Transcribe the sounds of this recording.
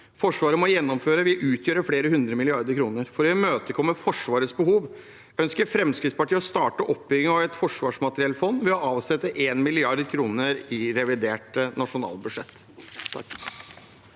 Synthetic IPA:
fɔʂʋɑːɾəmɔjɛnːɔmføːɾəʋɪʔʉːt̪ʰjøːɾəfɽeːɾəɦʉnd̪ɾəmɪlɪɑɾd̪əɾkʰɾuːnəɾfɔɾɛmøːt̪əkʰɔmːəfɔʂʋɑːɾəsbəɦuːʋ | œnskəɾfɾɛmskɾɪt̪spɑʈʰiːəɔst̪ɑːʈəʔɔpːbʏɡɪŋɑʋɛt̪fɔʂʋɑːʂmɑt̪ɾɪɛlt̪fɔnd̪ʋɛɔɑːʋsɛt̪ːəʔeːnmɪlɪɑɾd̪kʰɾuːnəɾɪɾɛʋɪd̪eːʈnɑʂʊnɑ̰ːlbʉd̪ʂɛt̪ː

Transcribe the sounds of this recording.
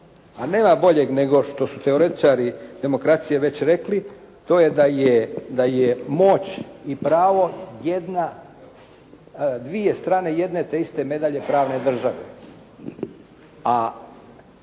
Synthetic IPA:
ane̞ːmabo̞ʎe̞ɡne̞ɡo̞ʃt̪o̞sut̪e̞oɾe̞t̪i̥t͡ʃaɾid̪e̞mo̞kɾat̪sijeʋe̞t͡ɕɾe̞kli | t̪o̞ːjed̪ajed̪ajemo̞t͡ɕipɾaːʋo̞jed̪na | d̪ʋije̞st̪ɾaːne̞je̞d̪ne̞t̪e̞ist̪e̞me̞d̪aʎe̞pɾaːʋne̞d̪r̩ʒaʋḛ | a

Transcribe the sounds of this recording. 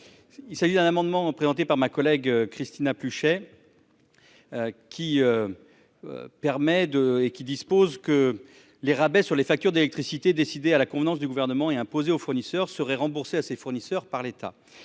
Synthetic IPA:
ilsaʒid̪ɛ̃namɑ̃d̪mɑ̃pχezɑ̃t̪epaʁmakɔlɛɡkχist̪inaplyʃɛ | kʲiø̰ | pɛʁmɛd̪əekʲid̪ispozkə | leʁabɛsyʁlefak̚t̪yʁd̪elɛk̚t̪χisit̪ed̪esid̪ealakɔ̃vnɑ̃sd̪yɡuvɛʁnəmɑ̃eɛ̃pozeofuʁnisœʁsəʁɛʁɑ̃buʁseasefuʁnisœʁpaʁlet̪ʰa̰

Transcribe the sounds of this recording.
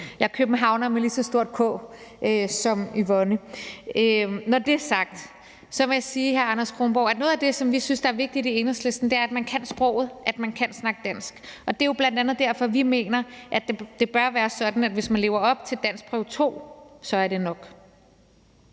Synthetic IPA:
jɑ̈ɪkʰøb̥n̩ɦɑ̈ʊnɐmelisɒ̽sd̥o̝ɐ̰d̥̚kʰɔ̰ʔøsɒ̽miʋɒnəønɒd̥e̝æɐsɑ̈ɡ̥d̥ | sɒ̽ʋejɑ̈siːheɐɑ̈nɐskʰʁonb̥ɒʊ̰æ̥nɔð̩ˠæd̥e̝sɒ̽mʋisynsd̥ɑ̈æɐʋe̝ɡ̥̚d̥id̥ie̝nəsle̝sd̥n̩d̥e̝æɐæd̥mænkʰæn̰sb̥ʁɔʊ̰ð̞̩ˠʔæd̥mænkʰæn̰snɑ̈ɡ̥əd̥æn̰sɡ̥ʔɒ̽d̥e̝jo̝b̥lænd̥ænð̩ˠd̥æɐ̰fɒ̽ʋime̝̰ːnɐʔæd̥d̥e̝b̥ɶɐʋæːɐsɒ̽d̥n̩æd̥ʋe̝smænle̝̰ʊɐɒ̽b̥̚t͡sʰe̝ld̥æn̰sɡ̥̚pʰʁɛʊt͡sʰo̝̰ːsɒ̽æɐɾ̥e̝nɒ̽ɡ̥

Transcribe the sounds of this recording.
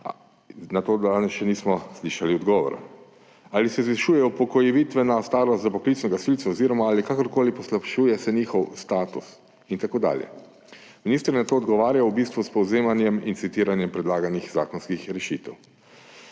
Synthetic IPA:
nat̪oːd̪anɛsʃɛniːsmɔsliʃaliɔd̪ɡɔːʋɔ̰ɾa̰ | aːlisɛzʋɛʃuːjɛupɔkɔjɛʋiːt̪ʋɛnast̪aːɾɔst̪zapɔklitsnɛɡasilt̪saɔziːɾɔmaalikakɔɾkoːlipɔslapʃuːjɛsɛniːxɔwst̪aːt̪us | int̪akoːd̪a̰ːljɛ̰ | miniːst̪ɾnat̪oːɔd̪ɡɔʋaːɾjawbiːst̪ʋuspɔwzeːmanjɛmint̪sit̪iːɾanjɛmpɾɛd̪laːɡanixzaːkɔnskixɾɛʃit̪ɛw

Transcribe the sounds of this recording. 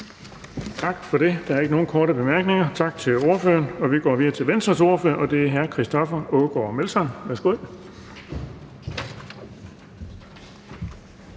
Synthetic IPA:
t͡sʰɑ̈ɡ̥fɒ̽ɾe̝d̥ɑ̈æɐe̝ɡ̥əno̝ːn̩kʰɒːɾəb̥e̝mæɐɡ̥ne̝ŋɐt͡sʰɑ̈ɡ̥̚t͡sʰe̝lo̝ɐfø̰ːɐnɒ̽ʋiɡ̥ɒ̰ːʋiðˠɐt͡sʰe̝lʋensd̥ʁɐso̝ɐfø̰ːɐʔɒ̽d̥e̝æɐɦæɐkʰʁisd̥ɒ̽fɐoɡ̥ɒ̰ːmelsɒnʋæɐsɡ̥o̝ð̰ˠ

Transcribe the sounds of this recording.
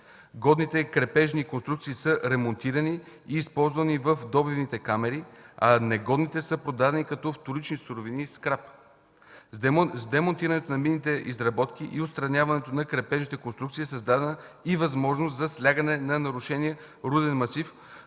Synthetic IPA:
ɡɔd̪nit̪ɛkɾɛpɛʒnikonst̪ɾukt̪siːsɤɾɛmont̪iɾəni | iːspɔlˠzvɐnivəfd̪ɔbivnit̪ɛkamɛɾiɐnɛɡɔd̪nit̪ɛsɤpɾod̪ad̪ɛnikɐt̪ɔft̪ʊɾit͡ʃnisʊɾoviniskɾap | zd̪ɛmont̪iɾɐnɛt̪onɐminːit̪ɛʔizɾɐbɔt̪k̟iʔiʊt̪st̪ɾɐnʲavɐnɛt̪onɐkɾɛpɛʒnit̪ɛkonst̪ɾukt̪siːsɐzd̪ad̪ɛnə | ivɐzmɔʒnost̪zɐslʲaɡənɛnɐnɐɾʊʃɛniə | ɾud̪ɛnmɐsif

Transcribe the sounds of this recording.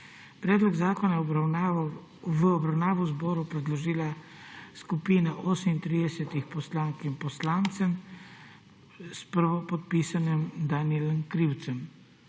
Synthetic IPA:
pɾɛːd̪lɔɡzaːkɔnajɛ | ʋəɔbɾawnaːʋɔwzbɔːɾupɾɛd̪lɔʒiːlaskupiːnaʔɔːsmint̪ɾiːd̪ɛsɛt̪ixpɔslaːŋkimpɔslaːnt̪sɛm | spəɾʋɔpɔt̪̚piːsanɛmd̪aːniɛlɛmkɾiwt̪sɛm

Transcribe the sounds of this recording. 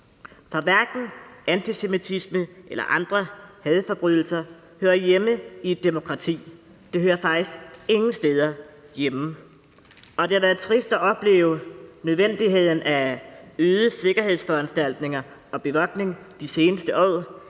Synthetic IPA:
fɑ̈ʋæɐɡ̥n̩ænt͡sʰise̝mit͡sʰisməʔelɐ̰ʔɑ̈nd̥ʁɐhɛːð̞ˠfɒ̽b̥ʁyðˠl̩sɐ | høːɐjeməid̥e̝mo̝kʰʁɑ̈t͡sʰḭː | d̥e̝høːɐfɑ̈ɡ̥d̥isɡ̥e̝ŋn̩sd̥eːð̞ˠɐ | jem | ɒ̽d̥e̝hɑʋæːɐð̩ˠt͡sʰʁisd̥æʔɒ̽b̥le̝̰ːʊnøð̞ˠʋen̰d̥iɦe̝ð̞̰ˠn̩æøːðˠəse̝ɡ̥ɐhe̝ð̞̰ˠsfɒ̽ænsd̥æl̰d̥ne̝ŋɐ | ɒ̽b̥e̝ʋɒ̽ɡ̥ne̝ŋd̥ise̝ːnəsd̥əʔɒ̰ː

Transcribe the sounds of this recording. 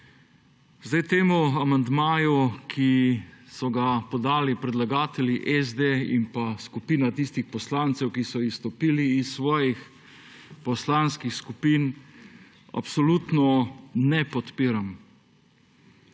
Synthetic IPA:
zd̪ajt̪eːmuamand̪maːjukʰisɔɡapɔd̪aːlipɾɛd̪laɡaːt̪ɛljiʔɛzd̪eḭmpaskupiːnat̪ist̪ixpɔslaːnt̪sɛwkisɔist̪ɔpiːliːsːʋɔːjix | pɔslanskixskupiːn | a̰psɔlut̪nɔnɛpɔt̪piːɾam

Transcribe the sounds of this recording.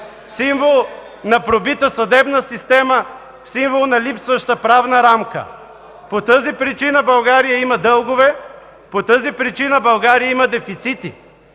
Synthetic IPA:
siɱvolˠ | nɐpɾobit̪əsɐd̪ɛbnəsist̪ɛmə | siɱvolˠnɐlipsvəʃt̪əpɾavnəɾamkə̰ | pot̪ɤzipɾit͡ʃinəbɐlˠɡaɾijəimɐd̪ɤlˠɡovɛ | pot̪ɤzipɾit͡ʃinəbɐlˠɡaɾijəimɐd̪ɛfit̪sit̪i

